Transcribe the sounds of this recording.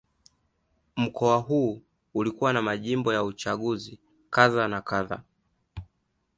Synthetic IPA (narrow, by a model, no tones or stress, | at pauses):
m̩kʰɔaɦuː | ulikuwanamaʄimbɔjaut͡ʃaɠuzi | kaðanakaða̰